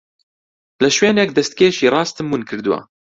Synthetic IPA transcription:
lɐʃweːnɛk̚d̪ɛst̪̚keːʃiːrˤɑːst̪ɨmːunkʰɨɾd̪ɨwa̰

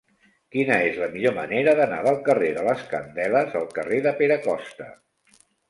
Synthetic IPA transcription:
kinəezləmiʎoməneɾəðəna̰ðəlˠkəreðələskə̰nd̪ɛləzəlˠkəreðəpeɾəkɔst̪ə

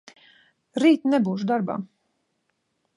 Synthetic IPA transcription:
ɾiːt̪nɛbuːʃ̬d̪aɾba̰ː

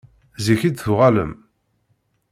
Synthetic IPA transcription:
ziçid̪θʊʁalə̰m

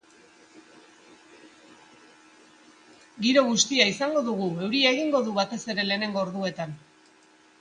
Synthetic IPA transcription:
ɡiɾo̞ɣust̪iaisaŋɡo̞ðuɣ̞ue̞wɾiaeɣiŋɡo̞ðuβat̪e̞se̞ɾe̞le̞ːne̞ŋɡo̞ːɾðue̞t̪an

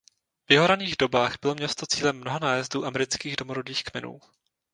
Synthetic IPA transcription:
vjɪɦoɾaniːɣdo̞baːɣbɪlo̞mɲɛst̪o̞t͡siːlɛmːnoɦanaːjɛzduːʔamɛɾɪt͡skiːɣdomoɾodiːxkmɛnṵː

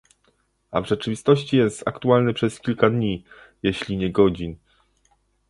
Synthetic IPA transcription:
a̰vʐɛt͡ʂɘvʲist̪ɔɕt͡ɕijɛst̪a̰kt̪ualnɘpʂɛskʲilkad̪ɲi | jeɕlʲiɲɛɡɔd͡ʑin

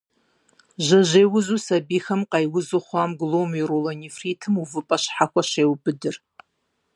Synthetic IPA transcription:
ʒɐʒeːwʊzuːsɐbiːxɐmqɐjwʊzɨχʷaːmɡlowmɪɾolɐnifriːtʰɨmuvɨpʼɐɕħaxʷɐʃeːwbɨdɨr

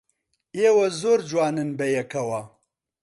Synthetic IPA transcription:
eːwɐzoːɾd͡ʒwaːnɨnbɐjɐkʰɐwɐ

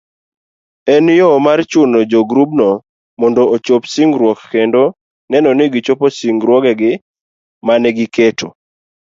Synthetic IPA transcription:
ɛnjomart͡ʃʊnod͡ʒoɡɾubnɔ | mɔndoot͡ʃopsiŋɡɾwɔkːendo | nɛnɔnɪɡɪt͡ʃoposiŋɡɾwɔɡɛɡɪ | manɛɡɪketo

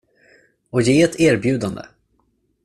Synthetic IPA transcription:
ɔjeːɛt̪ʰeːɾbjʉ̟ːd̪and̪ə̰

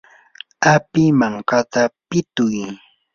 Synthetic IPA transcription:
apɪmaɴkat̪apɪt̪ʊj

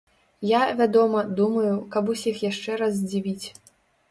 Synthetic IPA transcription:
javʲad̪ɔmɐd̪umɐjukɐbusʲixjaʂt͡ʂɛɾazd͡zʲivʲit͡sʲ

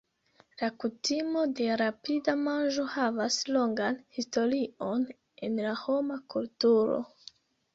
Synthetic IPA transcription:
lakutimo̞de̞ɾapidamand͡ʒo̞havaslo̞ŋɡanhisto̞ɾio̞n | e̞nlaho̞makultuɾo̰

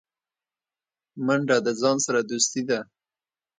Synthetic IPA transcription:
maɳɖad̪əzɑnsaɾad̪ust̪id̪a

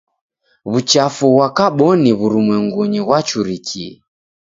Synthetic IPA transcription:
βut͡ʃafuɣwakaɓɔniβuɾumwɛŋɡuɲiɣwat͡ʃuɾikʰiɛ

